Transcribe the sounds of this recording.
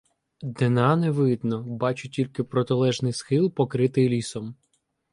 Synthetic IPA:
d̪ɪnɑneʋɪd̪nɔbɑt͡ʃʊtʲilʲkɪpɾɔt̪ɪlˠɛʒnɪjsxɪlˠpɔkɾɪt̪ɪjlʲisɔm

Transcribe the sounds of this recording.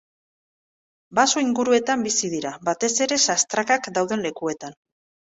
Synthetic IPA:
basoiŋɡuɾue̞t̪ambisiðiɾabat̪e̞se̞ɾe̞sast̪ɾakakd̪awð̞e̞nle̞kue̞t̪an

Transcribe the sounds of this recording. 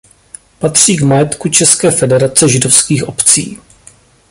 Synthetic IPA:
pat̪r̝̥iːɡmajɛt̪kut͡ʃɛskɛːfɛdɛɾat͡sɛʒɪdofskiːxʔo̞pt͡sḭː

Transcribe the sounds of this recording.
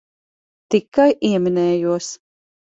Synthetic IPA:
t̪ikːajʔiɛminɛːjuɔs

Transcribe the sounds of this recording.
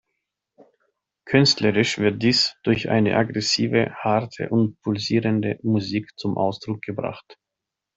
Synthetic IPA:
kʰʏnstləʁɪʃv̥ɪɐt̚d̥iːsd̥ʊɐçʔa̰ɪnə̰ʔaɡʁɛsiːvəhaɐtʰə̰ʔʊntpʰʊlziːʁəndəmuziːkt͡sʊmʔa̰ʊsd̥ʁʊk̚ɡ̥əbʁa̰χt

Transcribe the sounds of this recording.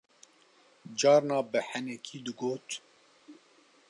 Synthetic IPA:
d͡ʒɑːɾnɑːbɨhænɛkʰiːd̪ɨɡoːt̪

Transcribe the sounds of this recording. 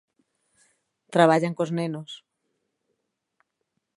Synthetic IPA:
t̪ɾaβ̞aʎaŋkoznenos

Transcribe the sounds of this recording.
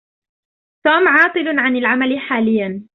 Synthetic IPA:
t̪uːmʕɑːt̪ˤɨlʕanalʕamalɪħaːlɪjːan

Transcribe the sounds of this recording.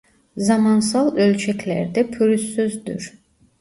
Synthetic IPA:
zɑmɑns̬ɑlˠølʲt͡ʃʰɛkʰʲlæ̰ɾd̪ɛpʰyɾysːøzd̪y̰ɾ

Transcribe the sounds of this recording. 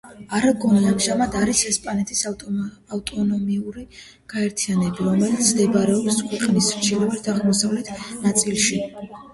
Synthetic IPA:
aɾaɡʰʼɔnɛamʒamad̪aɾisɛspʼanɛt̪ʰisaft̪ʼɔnɔmiuɾi | ɡ̥aɛɾt̪ʰijanɛbiɾɔmɛlit̪sʰd̪ɛbaɾɛɔpskʰwɛqʼnisɾd͡ʒʰɛlɛvɛɾd̪aʁmɔsavlɛt̪ʰnat̪sʼilˠʃi

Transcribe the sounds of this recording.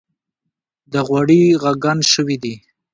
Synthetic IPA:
d̪əɣwaɽiɣaɡanʃəwid̪i

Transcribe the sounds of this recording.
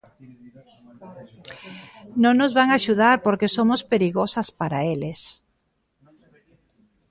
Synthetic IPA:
nõŋnozβaŋaʃuð̞aɾpoɾkesomospeɾiɣosaspaɾaeles

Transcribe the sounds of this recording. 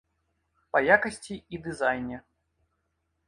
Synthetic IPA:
pɐjakɐsʲt͡sʲiid̪ɨzajnʲɛ

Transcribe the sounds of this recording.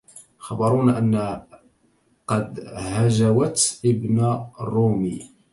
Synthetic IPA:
xɑbɑɾˤunʔənː | qɑd̪hæʒæwæt̪ʔəbnarˤːumi

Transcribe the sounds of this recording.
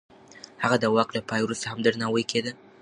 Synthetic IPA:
haɣad̪awɑklapʰɑjwɾust̪ahamd̪əɾnawəjkʰed̪ə

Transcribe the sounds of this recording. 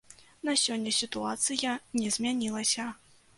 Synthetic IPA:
nɐsʲɔnʲːɐsʲit̪uat̪sɨjɐnʲɛzʲmʲanʲilˠɐsʲɐ

